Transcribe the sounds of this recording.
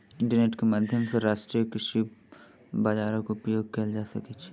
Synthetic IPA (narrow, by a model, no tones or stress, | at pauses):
ɪ̃ɳʈəɾneːʈkemaːd̪ʱjəmseɾaːʃʈɾijəkɾɪʃi | bad͡ʒaːɾəkʊpjoːɡ̚kɐld͡ʒaːsɐkit͡ʃʰ